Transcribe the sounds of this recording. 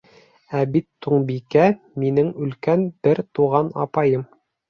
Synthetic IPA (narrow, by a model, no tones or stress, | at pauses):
æbit̪ːuɴbikæ | minɘŋʉ̆lkænb̥ɘɾt̪uʁɑnɑ̰pɑjɤm